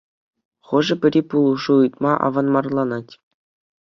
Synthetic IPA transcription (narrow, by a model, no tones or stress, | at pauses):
χɤ̆ʐɘ̆pʲɘ̆ɾʲipulˠuʐuɯt̪mɑʔɑ̰ʋɑnmɑrlˠɑnɑtʲ